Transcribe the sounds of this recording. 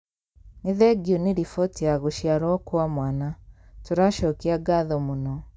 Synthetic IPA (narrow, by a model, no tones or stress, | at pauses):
neðɛɡioneɾifɔtiaɣoʃjaɾɔkwamwanatoɾaʃɔkeaɡaðɔmonɔ